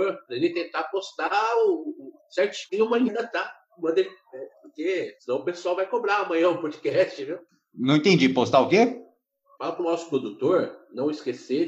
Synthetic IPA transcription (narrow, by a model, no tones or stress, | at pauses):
oɾpɾɐelɪt̪ẽnt̪apost̪aʊ | sɛɾt͡ʃũmɐlĩnd̪ɐt̪ã | mɐ̃d̪e | ɛpoɾkenɐ̃w̃ʊpesuawvajkobɾaɐmɐ̃j̃ɐ̃ũpod͡ʒikɛst͡ʃɪvew | nɐ̃w̃ẽt̪ẽd͡ʒipost̪aʊke | falɐpɾʊnɔsʊ̥pɾod̪ut̪oɾnɐ̃w̃ɪskese